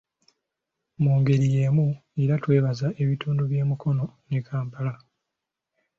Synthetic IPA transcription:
muːŋɡe̞ɾije̞ːmueɾatwe̞ːβazaʔe̞βituːnduβje̞ːmukʰo̞no̞nekʰaːmpala

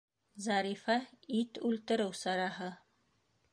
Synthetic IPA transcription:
zɑɾifɑit̪ʉlt̪ɘ̆ɾɘwsɑɾɑɦɤ

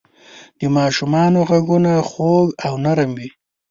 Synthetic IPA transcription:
d̪əmɑʃumɑnoɣaɡunaxoɡawnaɾəmwi

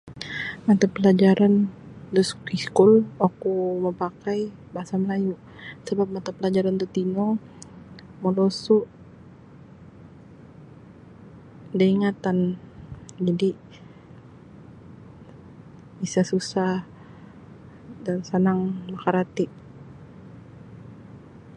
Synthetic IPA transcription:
mat̪apəlad͡ʒaɾand̪uskiskʊlakuməpakaj | baasaməlajuʔ | səbap̚mat̪apəlad͡ʒaɾant̪ut̪ino | molosuʔ | daiŋat̪an | d͡ʒadi | isasusah | dansanaŋmakaɾat̪ɪʔ

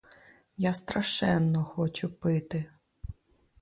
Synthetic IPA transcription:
jast̪ɾɐʃɛnːɔxɔt͡ʃʊpɪt̪ɪ

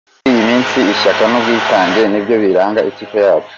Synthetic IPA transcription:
ijimiːnsiːʃakanub̚ɡiːtaːŋɡe̞nibɟjo̞βiɾaːŋɡaʔitikojaːβo̥

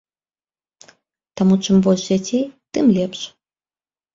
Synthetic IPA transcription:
t̪amut͡ʂɨmbɔlʲʂd͡zʲat͡sʲejt̪ɨmlʲɛpʂ

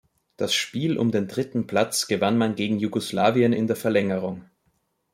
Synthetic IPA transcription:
d̥asʃpiːlʔʊ̰mdeːndʁɪtn̩pʰl̥at͡sɡ̥əvanmanɡeːɡŋ̩juɡoslaːviənɪ̰ndeːɐfɛɐlɛŋəʁ̞ʊŋ

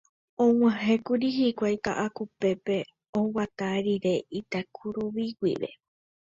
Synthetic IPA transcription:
õw̃ãɦekuɾiɦikʷajka̰ʔakupe̞pe̞ | õwat̪aɾiɾe̞it̪akʰuɾuβiwḭʋe̞̰

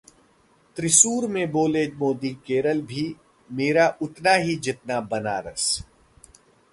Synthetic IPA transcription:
t̪ɾɪsuːɾmẽboːleːd͡ʒmoːd̪ikeːɾəlbʱi | meːɾaʔʊt̪naɦid͡ʒɪt̪nabɐnaːɾə̰s

